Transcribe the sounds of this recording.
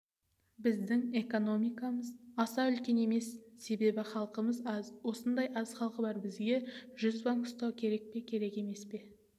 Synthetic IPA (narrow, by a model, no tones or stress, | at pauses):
bɪzd̪ɪŋe̞ko̞no̞mijkɑməzɑsɑʏlkʲe̞ne̞me̞sːe̞be̞bɪχɑlˠqəməzwo̞sənd̪ɑjɑz̥χɑlˠqəbɑɾbɪzɡʲe̞ʒʏzbɑŋʊ̥st̪ɑwkʲʰe̞ɾe̞k̚pe̞kʲʰe̞ɾe̞ke̞me̞spe̞